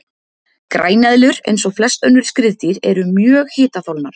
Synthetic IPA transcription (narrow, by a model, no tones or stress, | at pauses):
kɾa̰ːjnɛðlʏɾḛjnsɔɣflɛst̪œnːʏɾ̥skɾɪðt̪iɾɛɾʏmjœːɣhɪːt̪aθowlnaɾ̥